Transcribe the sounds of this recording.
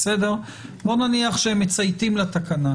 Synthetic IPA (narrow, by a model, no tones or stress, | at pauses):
sede̞ʁ | bo̞naniaχʃeemːet͡sajt̪imlat̪akana